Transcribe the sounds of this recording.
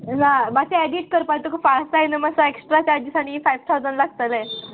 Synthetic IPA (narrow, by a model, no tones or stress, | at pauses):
nabaseɛɖiːʈ̚kəɾpajt̪okəpassajnəməsaeksʈɾat͡ɕad͡ʑisaɽ̃ifajʋt̪ʰawd͡zəɳlaɡ̚t̪əlẽ